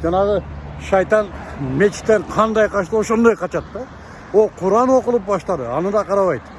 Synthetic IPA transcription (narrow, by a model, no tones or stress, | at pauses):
d͡ʒɑnɑʁəʃɑjt̪ɑnmet͡ʃːɪ̥t̪ːeɴqʰɑnd̪ɑjqʰɑʃt̪əo̞ʃond̪ojqʰɑt͡ʃɑt̪ːɑ | wolˠqʰʊɾɑnwo̞qəlˠəp̚bɑʃt̪ɑd̪əɑnəd̪ɑqʰɑɾɑβɑjt̪